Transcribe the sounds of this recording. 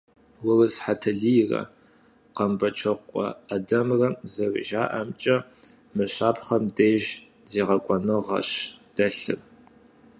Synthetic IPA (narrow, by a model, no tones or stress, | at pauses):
wʊrɨzħatʰɐɮijrɐ̰ | qɐmbɐt͡ʃʰɐqʷʼɔ̰adɐmrɐmzɐrʒa̰ːʔɐmt͡ʃʼɐ | mɨɕaːpʰχɐmdeːʒ | zeːʁɐkʷʼɔnɨʁɐ̰ɕd̥ɐɬɨ̰r